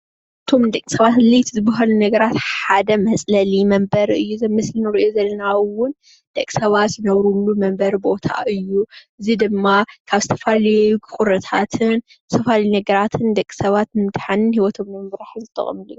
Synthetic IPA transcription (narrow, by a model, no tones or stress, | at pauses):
ʔɨt̪ʰo̞md̪ɐkʼːi̥sɐβat̪lɐjt̪ʰizɨbɐɦalunɐɡɐɾat̪ħad̪ɐmɐt͡sʼlɐlimɐmbɐɾɨjːuzmɨslinɨɾɨʔjozɐlːɐnawʊn | d̪̥ɐkʼːi̥sɐβat̪zɨnɐβɾulːumɐmbɐɾbo̞t̪ʰa̰ʔɨjːuʔɨzid̪ɨmːakʰaβzɨt̪ʰɐfalɐjukʼʊɾɐt̪ʰat̪ʰɨn | zɨt̪ʰɐfalɐjunɐɡɐɾat̪ʰɨnd̪ɐkʼːi̥sɐβat̪nd̪ħanɨnhiwɔt̪ʰo̞mːɐmbɾaħzɨt̪ʰːɐ̰χʼmlɨju